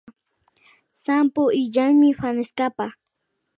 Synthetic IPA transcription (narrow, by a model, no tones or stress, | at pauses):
sampoɪʎaŋmɪɸanɪskapa